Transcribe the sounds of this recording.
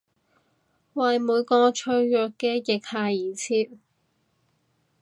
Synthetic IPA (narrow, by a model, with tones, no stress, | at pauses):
wɐ˨jmuː˨˧jkɔː˧t͡ʃʰɵ˧ɥjœː˨kːɛː˧jɪ˨k̚haː˧jiː˨t͡sʰiː˧˥t̚